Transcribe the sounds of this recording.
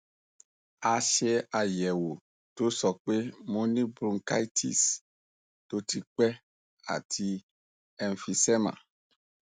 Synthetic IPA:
a˨ʃe˧a˨jɛ˨wo˨ | to˦sɔ˨k͡pe˦mõ˦nĩ˦bɾũ˦ŋka˦i˦tʰḭ˨s | to˦ti˧k͡pɛ˦ | a̰˨tʰi˧ | ɛ˨nfi˧sɛ˦ma̰˨

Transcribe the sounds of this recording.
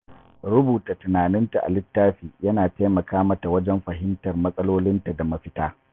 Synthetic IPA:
ɾʊ˦buː˨ta˨tʊ˨naː˨nɪ˦nta˨ʔa̰˨lɪ˦tːaː˦ɸiː˨jɐ˦naː˨taː˦jmɐ˨kʰaː˦mɐ˦ta˨wɐ˦d͡ʒɛ˦mɸɐ˨ɦɪ˦ntɐ˨rmɐ˦sʼɐ˦loː˦lɪ˦nta˨da˨mɐ˦ɸɪ˦taː˦

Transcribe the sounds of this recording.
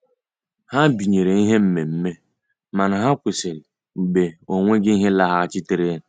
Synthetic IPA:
ha˦bi˨ɲe˨ɾe˨i˦ɦe˦m̩˦me˨m̩˦me˦ | ma˨na˨ɦa˦kʷɪ˨sɪ˨ɾɪ˨ | ɡ͡be˨o˨ŋʷe˦ɡɪ˦i˦ɦe˦la˦ɦa˦t͡ʃɪ˦te˦ɾe˦n̩˨

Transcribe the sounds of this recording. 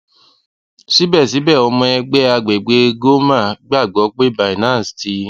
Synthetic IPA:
si˨˦bɛ˦˨si˨˦bɛ˦˨ɔ˧mɔ̃˧ɛ˧ɡ͡bɛ˦a˧ɡ͡be˨ɡ͡be˨˦ɡo˦ma˦˨ɡ͡ba˦˨ɡ͡bɔ˨˦k͡pe˦ba˨i˨nãː˨˦˨sti˧˦

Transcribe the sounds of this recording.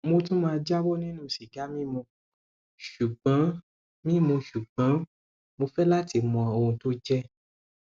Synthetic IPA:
mo˧tũ˦mãː˧d͡ʒa˦wɔ˦nĩ˦nũ˦˨si˨ɡa˨˦mĩ˦mũ˧ | ʃu˨ɡ͡bã˨˦ | mĩ˦mũ˧ʃu˨ɡ͡bã˨˦ | mo˧fɛ˦la˦ti˧˨mɔ̃˨o˧ũ˧to˦d͡ʒɛ˦

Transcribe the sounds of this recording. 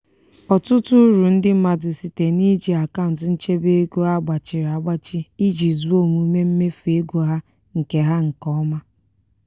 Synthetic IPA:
ɔ˨tʊ˦tʊ˦ɾu˨n̩˦dɪ˦m̩˦ma˨dʊ˨si˨te˨ni˦d͡ʒi˨a˨ka˦˨n̩˨tʊ˦n̩˦t͡ʃe˦be˦e˦ɡo˦a˦ɡ͡ba˨t͡ʃɪ˨ɾa˨˦ɡ͡ba˦t͡ʃi˦i˦d͡ʒi˨zu˦o˦˨mu˨˦me˦m̩˦me˦fe˦ɡo˨ɦa˦ | ŋ̩˨ke˦ɦa˦ŋ̩˨kɔ˦ma˦

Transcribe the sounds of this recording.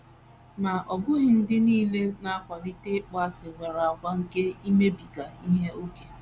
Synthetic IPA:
ma˨ʔɔ˨bʊ˦ɣɪ˨n̩˦dɪ˦niː˦le˦na˦a˦kʷa˨li˦te˦k͡pa˦sɪ˨ŋʷe˨ɾa˨a˨ɡʷa˦ŋ̩˦ke˦i˦me˦bi˨ɡa˨i˦ɦe˦o˦ke˨

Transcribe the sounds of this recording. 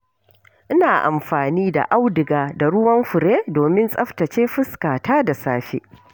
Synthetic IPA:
ʔɪ˦naː˨ʔa̰˨mɸaː˨niː˦da̰˨ʔa˦wdɪ˨ɡaː˨da˨ɽʊ˦wɐ˦mɸʊ˨ɽeː˦doː˨mɪ˦nsʼɐ˦ɸtɐ˨t͡ʃeː˦ɸɪ˦skaː˨taː˦da˨saː˦ɸḛː˦

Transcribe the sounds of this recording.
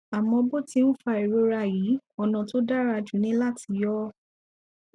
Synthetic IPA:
a˨mɔ̃˧bo˦˨ti˧n̩˦fa˧˨i˨ɾo˧ɾa˧˨ji˨˦ɔ˧nã˨to˦da˦ɾa˧˨d͡ʒu˨˦nĩ˦la˦ti˧˦jɔ˦

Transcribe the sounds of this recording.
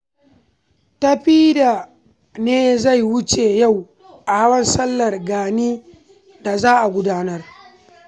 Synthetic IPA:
ta˦ɸiː˦da˨ | neː˦za˦˨jwʊ˦t͡ʃe˨ja˦˨w | ʔa˨ha˦wɐ˦nsɐ˦lːɐ˨rɡaː˨niː˦ | da˨zaː˦ʔa˨ɡʷʊ˦daː˦nɐ˦r

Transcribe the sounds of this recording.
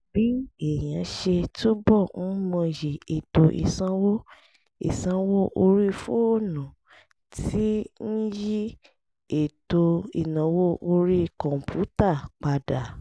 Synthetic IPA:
b̥i˨˦e˨j̃ã˨˦ʃe˧to˦bɔ˦˨n̩˦mɔ̃˧je˨e˨to˧ʔḭ˨sã˧wo˦ | ḭ˨sã˧wo˦ʔo˧ɾi˦fu˦o˦˨nũ˨ | ti˦n̩˦ji˦ | e˨to˧ḭ˨nã˨wo˦ʔo˧ɾi˦kɔ̃˨m˨pʰu˨˦ta˦˨k͡pa˧da˨

